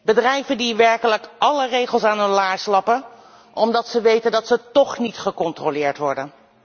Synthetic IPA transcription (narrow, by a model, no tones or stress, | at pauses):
bədrɛjvəndiʋɛɹkələkʔɑlərejχəlˠsaːnəlaːɹslɑpə | ʔɔmdɑtsəʋejtəndɑtsətɔχnitχəkɔntrolɪːɹtʋɔɹdən